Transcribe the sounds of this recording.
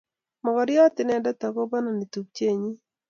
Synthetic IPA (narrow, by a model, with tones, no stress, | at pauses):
mɔ˨ɡɔ˨ɾɪ˦ɔ˦t̪ɪ˨nɛ˦˨dɛ˦t̪a˨ko˦ba˦na˨ni˨t̪u˨k̚t͡ʃe˦˨ɲi˦